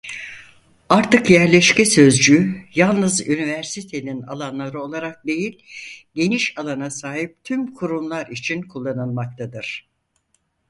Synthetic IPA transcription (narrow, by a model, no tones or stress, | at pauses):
aɾt̪ʰɯkjæɾlʲɛʃcɛsø̞zd͡ʒyjalˠnɯzynivæɾsit̪ʰe̞nina̰lˠanlˠaɾɯo̞lˠaɾak̚d̪e̞jilʲɟ̪e̞niʃalˠanasaːɦip̚t̪ʰymkʰuɾumlˠaɾit͡ʃʰinkʰulˠːanɯlˠmak̚t̪ʰad̪ɯɾ̥